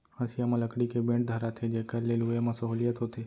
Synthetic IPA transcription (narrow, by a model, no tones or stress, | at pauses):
hə̃sijamãləkɽikebẽɳʈ̚d̪ʱəɾat̪ʰed͡ʒeːkəɾleːluemãsɐɦuːlijət̪ɦot̪ʰeː